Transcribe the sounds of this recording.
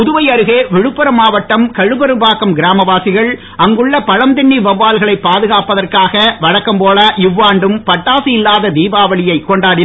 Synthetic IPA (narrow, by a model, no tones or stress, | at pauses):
ʊðʊʋɐɪɐɾɯɣeːʋɪɻɯpːɐɾɐmaːʋɐʈːɐmkɐɻɯbɐɾɯbaːkɐmɡɪɾaːmɐʋaːsɪɣɐɭ | ʔɐŋɡɯɭːɐpɐɻɐmd̪ɪɳːiʋɐʋːaːlɣɐɭɐɪpːaːðɯɣaːpːɐðɐrkaːɣɐʋɐɻɐkːɐmpoːlɐʔɪʋːaːɳɖɯmpɐʈːaːsɪjɪlːaːðɐd̪iːbaːʋɐɭɪjɐɪkːɔɳɖaːɽɪ